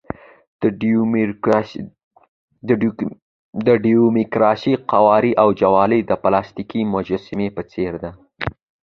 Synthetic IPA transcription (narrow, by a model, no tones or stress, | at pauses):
d̪əɖiumikɾɑʃiqawɑɾiʔawd͡ʒawɑləd̪əplɑst̪ikimʊd͡ʒasɪmepət͡seɾd̪a